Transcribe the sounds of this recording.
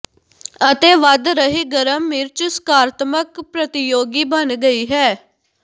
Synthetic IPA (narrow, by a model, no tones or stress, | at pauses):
ət̪eːʋəd̪ɾəɦiːɡəɾəmːɪɾt͡ʃskaːɾt̪məkpɾət̪ɪjoːɡiːbənɡəiːɦɛː